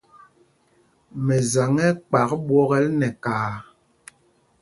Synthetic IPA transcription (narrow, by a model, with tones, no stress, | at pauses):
mɛ˨za˨ŋɛ˦k͡pa˨kɓwɔ˦ɣɛ˦lnɛ˨kaː˨